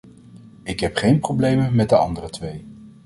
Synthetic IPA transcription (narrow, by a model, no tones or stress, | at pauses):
ɪkɦɛpχejnprowblejməmɛt̚dəɑ̰ndərətʋej